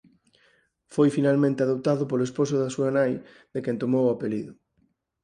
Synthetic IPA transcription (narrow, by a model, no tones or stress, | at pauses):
fojfinalmẽnt̪eaðop̚t̪aðʊpoloespos̬ʊðasuanaj | ðekɛnt̪omowapeliðʊ